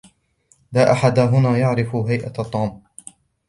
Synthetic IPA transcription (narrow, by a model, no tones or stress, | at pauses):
laːʔaħad̪aɦʊnaːjaʕɾɪfʊɦajʔat̪ˤːuːm